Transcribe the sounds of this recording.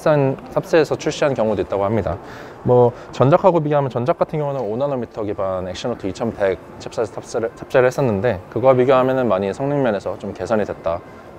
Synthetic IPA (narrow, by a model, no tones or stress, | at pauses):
s͈ansʰap̚s͈eesʰʌt͡ɕʰuɭɕ͈iɦankjʌŋudoit͈̚aɡohamɲida̰ | mwʌ | t͡ɕʌnd͡ʑakʰaɡopiɡjoamjʌnt͡ɕʌnd͡ʑak͈atʰɯnɡjʌŋunɯnonanomitʰʌɡibanek̚ɕ͈ʌnʌtʰoit͡ɕʰʌmpek̚t͡ɕʰip̚s͈asʰap̚t͡ɕ͈eɾɯɭhe̞s͈ʌnːɯnde̞kɯɡʌpiɡjoɦamjʌnɯnmaɲisʰʌŋnɯŋmjʌne̞sʰʌt͡ɕomkesʰʌɲidwe̞t̚t͈a